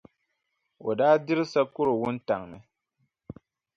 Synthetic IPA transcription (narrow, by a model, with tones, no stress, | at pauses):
o˨daː˦dɪ˦ɾɨ˦sa˦kʊ˦ɾo˨wʊ˦n̩˦ta˨ŋmɨ˦